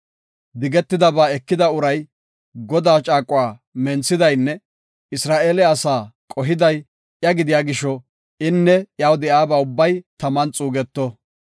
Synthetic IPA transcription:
d̪ɪɡɛt̪ːɪd̪ɐbaːɛkːɪd̪ɐʊɾɐj | ɡɔd̪aːt͡ʃʼaːkʼʊwaːmɛnsɪd̪ɐjnːɛ | ɪsɾaːʔeːlɛɐsaːkʼɔɦɪd̪ɐj | jɐɡɪd̪ɪjaːɡɪʃɔ | ɪnːɛjaːwd̪ɛjaːbaːʊbːɐjt̪ɐmɐnt͡sʼuːɡɛt̪ːɔ

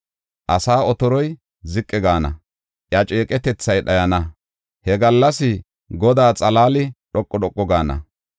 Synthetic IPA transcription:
ʔɐsaːɔt̪ɔɾɔj | zɪkʼːɪɡaːnɐ̰ | ʔjɐt͡ʃʼeːkʼɛt̪ɛt͡sːɐjɗɐjɐnɐ | hɛɡɐlːɐsɪ | ɡɔd̪aːt͡sʼɐlaːlɪɗɔkʼːɔɗɔkʼːɔɡaːnɐ̰

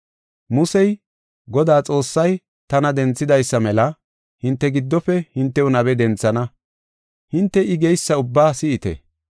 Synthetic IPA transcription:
mʊsɛj | ɡɔd̪aːt͡sʼo̞ːsːɐj | t̪ɐnɐd̪ɛnt͡sːɪd̪ɐjsːɐmɛlɐ | hɪnt̪ːɛɡɪd̪ːɔpːɛhɪnt̪ːɛʊnɐbɛd̪ɛnt͡sːɐnɐ | hɪnt̪ːɛʔɪɡɛjsːɐʊbːaːsɪɪt̪ɛ̰

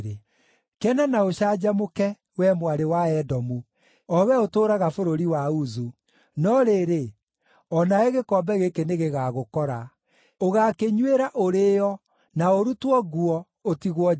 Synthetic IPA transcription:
ɾe | kɛnanaoɕaːd͡ʑamokɛ | wɛmwaɾewaɛdɔmu | ɔwɛotoːɾaɣafoɾoɾiwauzu | nɔɾeɾe | ɔnaeɣekɔbɛɣekeneɣeɣaɣokɔɾa | oɣakeɲweɾaʔoɾejɔ | naoɾutwɔɣuɔ | otiɣwɔ

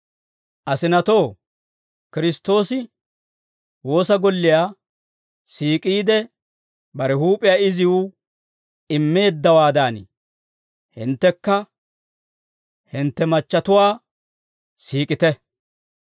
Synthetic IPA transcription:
ʔɐsɪnɐt̪o̞ː | kɪɾɪst̪o̞ːsɪ | wo̞ːsɐɡɔlːɪjaː | siːkʼiːd̪ɛ | bɐɾɛhuːpʼɪjaːɪzɪwʊ | ɪmːe̞ːd̪ːɐwaːd̪aːn̰ | hɪ̰nt̪ːɛkːɐ | hɪnt̪ːɛmɐt͡ʃːɐt̪ʊwaː | siːkʼɪt̪ɛ

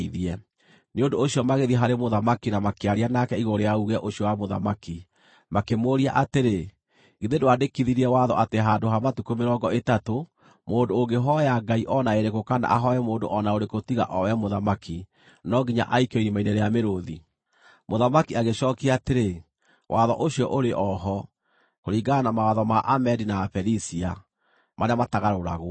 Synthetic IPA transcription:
iðiɛ | neondoːɕiɔmaɣeðiɛɦaɾemoðamakinamakeaɾianakɛiɣoɾoejauɣɛʔoɕijɔwamoða̰maki | makemoɾia̰ʔateɾe | ɣiðedoadekiðiɾiɛwaðɔ̰ʔateɦaːndoɦamatukomeɾɔɡɔetato | moːndoːŋɡeɦɔjaɡaiʔɔnaeɾeɣokana̰ʔaɦɔɛmoːndo̰ʔɔnaoɾekotiɣa̰ʔɔwɛmoðamaki | nɔɡiɲa̰ʔaikeɔiɾimaineɾɛameɾoði | moðamakiaɣeɕɔːkiateɾe | wʔaðɔ̰ʔoɕiɔʔoɾeʔɔɦɔ | koɾiːɡanamawaðɔmaʔamɛdinafɛɾisia | maɾeamataɣaɾoɾa̰ɣo

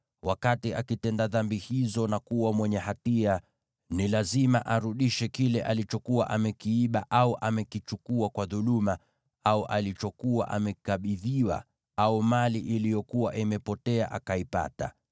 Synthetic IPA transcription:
wʔakatiakitɛndaðambihizɔnakuwamwɛɲɛhatia | nilazimaʔaɾuɗiʃɛkilɛʔalit͡ʃɔkuwa̰ʔamɛkiiɓa̰ʔauʔamɛkit͡ʃukuakwaðuluma | auʔalit͡ʃɔkuwa̰ʔamɛkaɓiðiwa̰ | aumaliʔilijɔkuwaʔimɛpɔtɛaʔakaipa̰ta̰

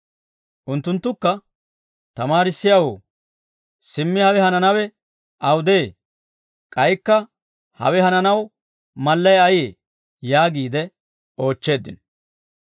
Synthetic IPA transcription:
ʔʊnt̪ːʊnt̪ːʊkːɐ | t̪ɐmaːɾɪsːɪjawo̰ː | sɪmːɪhɐwɛhɐnɐnɐwɛ | ʔɐwd̪eː | kʼɐjkːɐ | hɐ̰wɛhɐnɐnɐw | mɐlːɐjɐjeː | jaːɡiːd̪ɛ | o̞ːt͡ʃːe̞ːd̪ɪ̰n

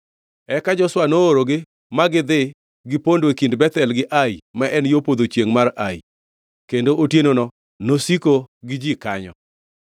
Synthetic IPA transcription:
ɛkad͡ʒɔswanoːɾoɡɪ | maɡɪd̪ɪ | ɡɪpondwekindbɛt̪ɛlɡɪʔajmaʔɛnjopod̪ot͡ʃjeŋmaraḭ | kendoʔotjenonɔ | nosikoɡɪd͡ʒikaɲɔ̰

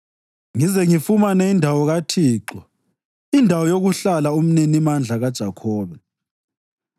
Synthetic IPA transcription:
ŋizɛŋifumanɛindʱawɔɣatʰiːǃɔ | indʱawɔjoɣuɬalaum̩ninimand͡ɮʱaɣad̥ʒ̥ʱakʰɔːβɛ

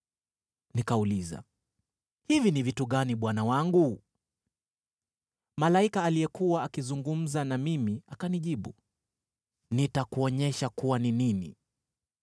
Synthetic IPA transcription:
nikauliza̰ | hivinivituɠaniɓwanawaŋɡu | malaikaːlijɛkuwaakizuŋɡum̩zanamimiakaniʄiɓṵ | nitakuɔɲɛʃakuwanininḭ

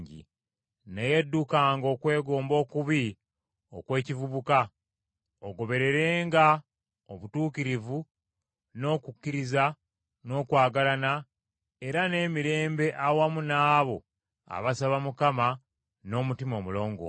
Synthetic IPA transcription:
ɟḭ | nejedːukaːŋɡo̞ːkwe̞ːɡo̞ːmbo̞ːkuβi | o̞̰kwe̞ːcivuβuka | oɡo̞βe̞ɾe̞ɾe̞ːŋɡa | oβutuːkiɾivu | no̞kukːiɾiza | no̞ːkwaːɡalana | e̞ɾane̞ːmiɾe̞ːmbe̞ʔawamunaːβo̞ | a̰βasaβamukama | no̞ːmutimo̞mulo̞ːŋɡo̰

